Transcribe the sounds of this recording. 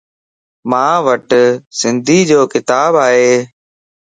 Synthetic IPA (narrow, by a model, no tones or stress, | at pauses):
mãːʋəʈsɪnd̪ʱiːd͡ʑoːkɪt̪aːbaːɦeː